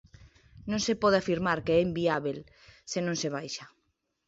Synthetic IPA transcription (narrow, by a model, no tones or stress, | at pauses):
nõŋsepɔðeafiɾmaɾkeɛimbiaβel | senõŋseβ̞ajʃa